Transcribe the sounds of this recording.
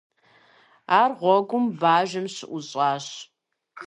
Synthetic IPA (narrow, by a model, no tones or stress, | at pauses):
aːrʁʷɔɡʷʊmbaːʒɐmɕɪʔʊɕʼɑːɕ